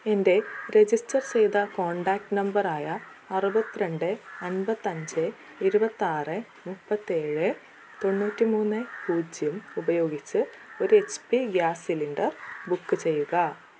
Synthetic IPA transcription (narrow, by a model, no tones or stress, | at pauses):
e̞nde̞ɾe̞d͡ʑistɐrt͡ɕe̞jd̪ɐkoːɳɖaːk̚ʈɨnɐmbɐraːjɐː | rubɐt̪ːiɾe̞ɳɖɨɐnbɐt̪ːɐɲd͡ʑɨ | iɾubɐt̪ːiaːrɨ | mupːɐt̪ːie̞ːɻɨ | t̪o̞nːuːtːimuːnːɨpuːd͡ʑjumubɐjo̞ːɡit͡ɕːɨ | o̞ɾuet͡ɕpiɡjaːsilinɖɐrbukːɨt͡ɕe̞jːuɣɐ